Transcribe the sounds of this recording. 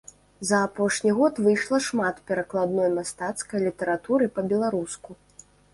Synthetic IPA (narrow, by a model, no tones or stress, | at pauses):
zɐːpɔʂnʲiɣɔt̪vɨjʂlˠɐʂmat̪pʲɛɾɐklˠad̪nɔjmast̪at̪skɐjlʲit̪ɐɾat̪uɾɨpɐbʲɛlˠaɾusku